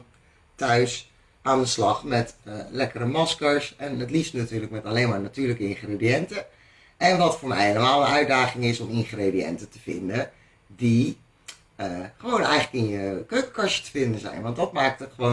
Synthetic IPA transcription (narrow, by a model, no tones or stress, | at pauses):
tœɥs | aːndəslɑχmɛtlɛkərəmɑskəɹsɛnətlistnatyːɹləkmɛtalejnmaːɹnatyːɹləkəɪnχrediɛntə | ɛnʋɑtfʊːɹmɛjeləmaːlˠənœɥdaːχɪŋɪsɔmɪnχrediɛ̰ntətəv̥ɪ̰ndə | di | əχəʋownɛjχələkɪnjəkøɥkəkɑɹʃə̥tə̥vɪndənzɛ̰jnʋɑndɑt̚maːk̚tətχəʋo